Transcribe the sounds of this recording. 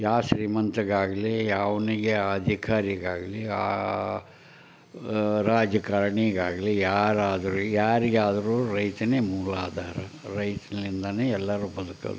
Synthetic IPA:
jaːʃɾiːmɐnt̪ɐɡaːɡɐlijaːʋɐniɡeɐd̪ʱikaːɾiɡaːɡɐlia̰ː | ɾaːd͡ʒɐkaːɾɳiɡaːɡɐlijaːɾaːd̪ɐɾujaːɾiɡaːd̪ɐɾuɾɐjt̪ɐneːmuːlaːd̪ʱaːɾɐ | ɾɐjt̪ɐɐlind̪ɐneːɛlːɐɾubɐd̪ukɐ̰d̪u

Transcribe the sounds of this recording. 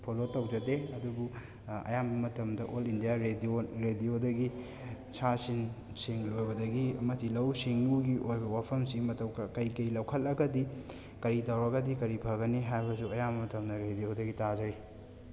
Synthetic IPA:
pʰolotɐwd͡ʒɐdeɐdubu | ɐ̰jambɐmɐtɐmdɐʔolindijaɾedioɾediodɐɡi | sasin | siŋlojbɐdɐɡiɐmɐtʰːilɐwsiŋuɡiʔojbɐwapʰɐmsiŋmɐtʰɐwkɐkɐjkɐjlɐwkʰɐlɐɡɐdi | kɐɾitɐwɾɐɡɐdikɐɾipʰɐɡɐniɦajbɐsuɐjambɐmɐtɐmdɐɾedijodɐɡitazɐɾi

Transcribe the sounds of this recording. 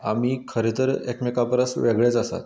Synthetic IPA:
amiːkʰəɾet̪əɾekmikapəɾəsʋeɡɭet͡sasa̰t̪

